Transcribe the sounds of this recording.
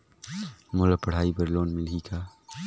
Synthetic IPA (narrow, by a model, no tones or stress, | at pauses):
moːlapɐɽ̤aːibɐɾloːnmɪlɡiːkaː